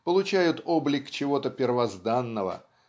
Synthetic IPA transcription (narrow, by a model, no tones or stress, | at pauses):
pəlˠʊt͡ɕæjʊt̪oblʲɪkt͡ɕɪvo̞t̪əpʲɪrvɐzd̪anːəvə̰